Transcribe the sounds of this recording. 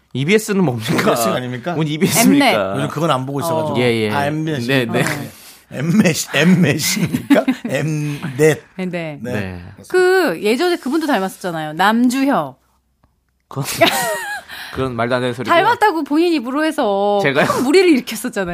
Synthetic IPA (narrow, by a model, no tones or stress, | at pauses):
ibies͈ɯnɯnʌmɲik͈aiɡaɲimɲik͈aibiesieajod͡ʑɯmkɯɡʌnanboɡoisʌɡad͡ʑoɡejeaembieeee | ḛmeemes͈imɲik͈aemdet̚ene̞neḛkɯje̞d͡ʑʌnekɯbundotaɭmas͈ʌt̚t͡ɕ͈anajonamd͡ʑuçjʌ | kɯɾʌn | kɯɾʌnmaɭdandensʰoɾitaɭmat̚t͈aɡopoɲiɲibɯɾoɦe̞sʰʌeɡaɯnmuɾiɾɯɭiɾɯkʰjʌs͈ʌt̚t͡ɕ͈ana